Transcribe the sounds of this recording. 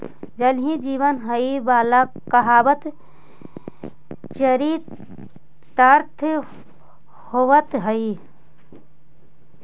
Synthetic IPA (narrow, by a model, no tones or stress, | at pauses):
d͡ʒɐlɦĩd͡ʒiːʋənɦɐibaːla | kɐɦaːbət̪ | t͡ʃəɾiːt̪ | t̪ɐɾt̪ʰ | hoʋət̪ɦɐi